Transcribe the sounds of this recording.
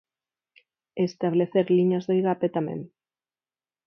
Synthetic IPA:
est̪aβ̞leθeɾliɲɐzðoiɣapet̪amḛ̃ŋ

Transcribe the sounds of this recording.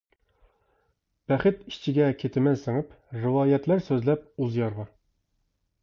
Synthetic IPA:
b̥æχɘt̪iɕt͡ɕɘ̆ɡækit̪ɘ̆mænsɤ̆ɴɤp | rɘ̆wɑjæt̪læɾsɵzlæp̚uzjɑɾʁɑ

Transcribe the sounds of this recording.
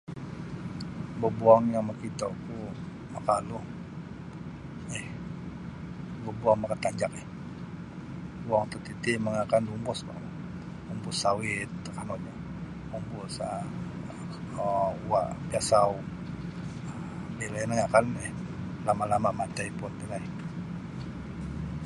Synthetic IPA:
bəbuaŋjaŋmakit̪ɔʔku | makaʔluh | ɛh | bəbuaŋmakat̪aɲd͡ʒak̚ɛh | buaŋt̪ɔt̪it̪iməŋakandumbʊska̰l | umbʊsawɪt̪kanɔʔɲɔ | umbʊsa | wa̰ʔpiasau | belanaŋakanɛh | lamalamamat̪aipʊnt̪əlai

